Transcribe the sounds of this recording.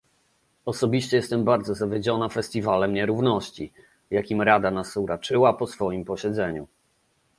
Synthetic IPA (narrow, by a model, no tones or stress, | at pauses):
ɔsɔbʲiɕt͡ɕɛjɛst̪ɛmbaɾd̪zɔzavʲjed͡ʑɔnafɛst̪ʲivalɛmɲɛɾuvnɔɕt͡ɕi | vjakʲimɾad̪anasuɾat͡ʂɘwapɔsfɔjimpɔɕɛd̪zɛɲṵ